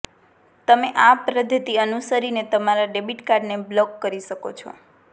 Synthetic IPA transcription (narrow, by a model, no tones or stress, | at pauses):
t̪əmeʔapɾəd̪ʱːət̪iənusəɾinet̪əmaɾaɖebiʈkaɾɖneblɔkːəɾiʃəko̰t͡ʃʰɔ̰